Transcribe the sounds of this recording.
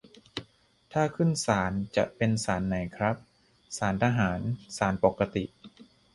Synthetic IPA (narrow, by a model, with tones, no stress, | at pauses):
t̪ʰaː˥˩kʰɯ˥˩nsaː˩˦nt͡ɕa̰˨˩ʔpe˧nsaː˩˦nːa˨˩˦jkʰɾa˦˥p̚ | saː˩˦nt̪ʰaː˧ɦaː˩˦nsaː˩˦npo˨˩kːa˧t̪i˨˩ʔ